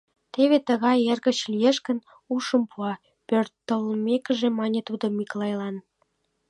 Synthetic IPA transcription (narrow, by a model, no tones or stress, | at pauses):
t̪eβet̪əɣɑjerɣə̆t͡ɕlijeʃkə̆n | uʃəmpuɑ | pørt̪ːəlmekə̆ʒemɑnʲet̪ud̪omiklɑjlɑn